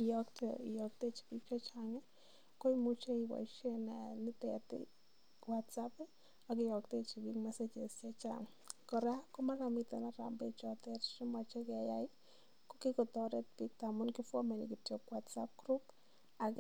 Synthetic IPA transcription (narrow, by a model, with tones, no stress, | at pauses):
i˨jɔktḛi˨jɔk̚te˦t͡ʃi̥˨bi˦k̚t͡ʃet͡ʃaŋɛ˦ | ko˦imut͡ʃe˦iwa̰˨ʃe˦nani˦tɛ̰˨tɪ̰ | watsapɪ˦ | akɪ˦jɔ˨kte˦t͡ʃi˨bikmɛ˦set͡ʃe˨st͡ʃe˦t͡ʃa̰ŋ | kɔ˨ɾe˦a˦ko˦ma˦ɾa˨mite˨na˦ɾa̰˨mbe˦t͡ʃɔtɛ˦ɾʃi˦mat͡ʃe˦kɛ˨ja˦i | ko˦kikɔ˨tɔ˦ɾe˦t̚pik̚ta˨mʊ˦nkɪ˦fɔ˦me˨ni˨ki˨tjokwatsa˦p̚kɾu˦p | a˨k